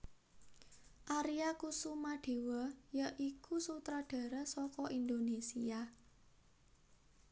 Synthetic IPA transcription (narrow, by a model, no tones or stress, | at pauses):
ʔaɾiakusumaɖ̥e̤wəjəʔikusut̪ɾaɖ̥a̤ɾəsɔkɔʔind̪onesia